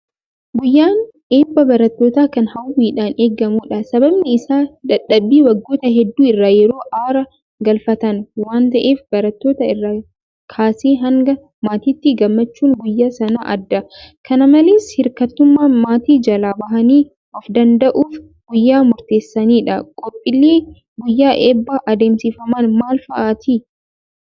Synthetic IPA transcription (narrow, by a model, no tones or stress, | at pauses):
ɡʊjːaːn | eːbːɐbɐɾɐt̪ːo̞ːt̪aːkɐnhɐwiːᶑaːneːɡɐmuːᶑɐsɐbɐbnɛɪsaːᶑɐᶑːɐbːiːwɐɡːo̞ːt̪ɐɦɛd̪ːuːɪrːaːjɛɾo̞ːʔaːɾɐ | ɡɐlfɐt̪ɐnwaːnt̪ɐʔe̞ːfbɐɾɐt̪ːo̞ːt̪ɐɪrːaː | kʰaːseːɦɐŋɡɐ | maːt̪iːt̪ːɪɡɐmːɐt͡ʃːuːŋɡʊjːaːsɐna̰ːʔɐd̪ːɐkʰɐnɐmɐleːshɪɾkɐt̪ːʊmːaːmaːt̪iːd͡ʒɐlaːbɐɦɐniː | ʔɔfd̪ɐnd̪ɐʔuːf | ɡʊjːaːmʊɾt̪e̞ːsːɐniːᶑɐkʼɔpʼːɪlːiː | ɡʊjːaːʔeːbːaːʔɐd̪e̞ːmsɪfɐmanmaːlfɐʔaːt̪iː